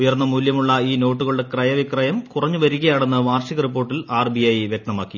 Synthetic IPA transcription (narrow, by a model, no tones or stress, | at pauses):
ujɐrnːɐmuːljɐmuɭːɐiːno̞ːʈːuɣɐɭuɽekrɐjɐʋikrɐjɐmkurɐɲːuʋɐɾiɣɐjaːɳenːɨʋaːrʂiɣɐrip̬ːo̞ːrʈːilaːrbiɐjʋjek̚t̪ɐmaːkːi